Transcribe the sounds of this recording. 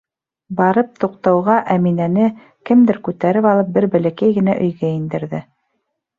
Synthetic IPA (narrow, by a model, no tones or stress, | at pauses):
bɑɾɤp̚t̪uq̚t̪ɑwʁɑʔæminænɘ | kɘmd̪ɘɾkʉt̪æɾɘpɑlˠɤp̚bɘɾbælækæjɡɘ̆næʔɵ̆jɡæind̪ɘ̆ɾðɘ